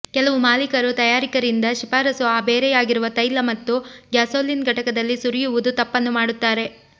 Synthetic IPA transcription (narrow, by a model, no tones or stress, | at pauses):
kɛlɐʋumaːlikɐɾut̪ɐjaːɾikɐɾind̪ɐʃipaːɾɐsuaːbeːɾɛjaːɡiɾuʋɐt̪ɐjlːɐmɐt̪ːuɡjaːsoːlinɡʱɐʈɐkɐd̪ɐlːisuɾijuʋud̪ut̪ɐpːɐnːumaːɽut̪ːaːɾe̞